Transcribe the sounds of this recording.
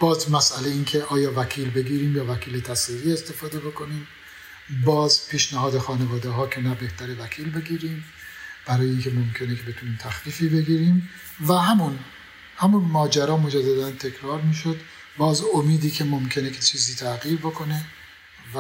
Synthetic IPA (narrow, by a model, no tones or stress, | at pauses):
b̥ɒːzmæsʔælejiːnkʰe̞ʔɒːjɒːvæcʰiːlbe̞ɡiːɾiːmjɒːvæcʰiːlet̪ʰæsiːɾiːest̪e̞fɒːd̪e̞bo̞kʰo̞niːm | bɒːzpʰiːʃnæhɒːd̪exɒːnevɒːd̪eɦɒːcʰe̞næbe̞ht̪ʰæɾevækʰiːlbe̞ɡiːɾiːm | b̥æɾɒːjeiːncʲʰe̞momcʰe̞nekʰebe̞t̪ʰuniːmt̪ʰæxliːfiːbe̞ɡiːɾiːm | væɦæmun | hæmunmɒːd͡ʒæɾɒːmo̞d͡ʒæd̪ːæd̪ænt̪ʰe̞kʰɾɒːɾmiːʃod̪ | bɒːzomiːd̪iːkʰemo̞mcʰenekʰet͡ʃʰiːziːt̪ʰæɣiːɾbo̞kʰo̞ne̞ | v